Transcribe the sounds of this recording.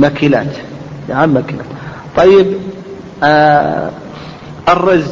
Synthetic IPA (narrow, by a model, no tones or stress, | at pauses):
makila̰ːt̪ | jaʕamːakɪla̰ːt̪ | t̪ˤɑjːɪb | ʔɑrˤːɑz